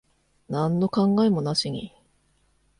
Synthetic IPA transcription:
nãnːo̞kãŋɡaemo̞naɕiɲ̟i

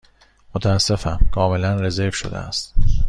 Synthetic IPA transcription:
mot̪ʰææsːe̞fæmkʰɒːme̞lænɾe̞zevʃo̰d̪ḛæ̰st̪

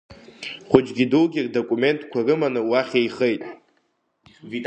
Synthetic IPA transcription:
χʷʊd͡ʒɡʲidulɡʲirdokʼume̞ntʼkʷʰarɨmanɨwaχʲejχejtʼ

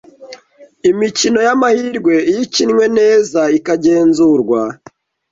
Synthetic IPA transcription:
imicino̞jamahiɾɡwe̞ijicinŋwe̞ne̞ːzaikaɟe̞ːnzuɾɡwa

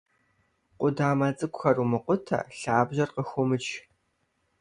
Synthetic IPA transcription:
qʷʊdaːmɐt͡sʼɨkʷʼxɐrumɨqʷʊtʰɐ̰ɬaːbʑɐrqəxʷʊmɨt͡ʃʰ

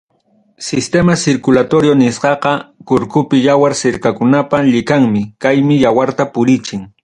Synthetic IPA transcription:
sɪst̪emasɪɾkʊlat̪oɾjonɪsqɑqɑkʊɾkʊpɪjawaɾsɪɾkakʊnapaʎɪkaŋmɪkajmɪjawaɾt̪apʊɾɪt͡ʃɪŋ

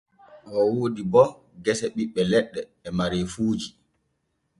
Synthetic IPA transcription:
ʔɔwoːdibɔ | ɡɛsɛɓiɓːɛlɛɗːɛːmaɾefuːd͡ʒi

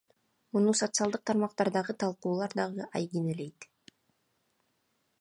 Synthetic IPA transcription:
munuso̞t̪sɨɑlˠd̪ɯq̚t̪ʰɑɾmɑqt̪ɑɾd̪ɑʁɯt̪ʰɑlˠquːlˠɑɾd̪ɑʁɯʔɑjɡinele̞jt̪

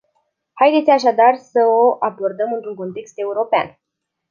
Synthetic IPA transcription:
hajd̪e̞t̪sʲaʃ̬ad̪arsəoʔabo̞rd̪əmɨnt̪ɾuŋko̞nt̪e̞kst̪e̞uɾo̞pea̰n

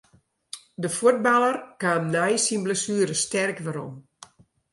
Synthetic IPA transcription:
dəfuət̚balˠərkaːnnajsinbləsyːəɾəstɛrkʋəɾɔ̰m

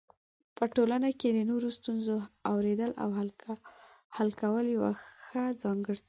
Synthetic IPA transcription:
pəʈolanaked̪ənoɾost̪unzoawɾed̪əlʔa̰w | halkawəljawa̰xəd͡zɑŋɡəɽt̪

